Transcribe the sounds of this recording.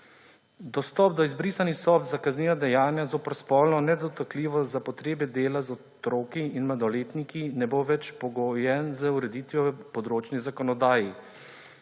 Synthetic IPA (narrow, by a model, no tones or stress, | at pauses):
d̪ɔst̪ɔp̚d̪ɔizbɾiːsanisɔpzakazniːʋad̪ɛjaːnjazoːpəɾspɔːlnɔnɛd̪ɔt̪akliːʋɔzapɔt̪ɾeːbɛd̪eːlazɔ | t̪ɾoːkiinmad̪ɔleːt̪nikinɛboʋɛt͡ʃpɔɡɔjɛnzəuɾɛd̪iːt̪ʋjɔpɔd̪ɾoːt͡ʃnizakɔnɔd̪aːji